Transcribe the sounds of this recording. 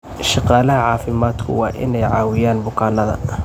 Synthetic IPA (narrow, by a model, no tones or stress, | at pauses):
ʃɑqɑːlɐɦɐʕɑːfɪmaːd̪kʰʊ̰wɑːʔɪ̰nɛjʕɑːwɪjaːnbʊkʰaːnɐðɐ̰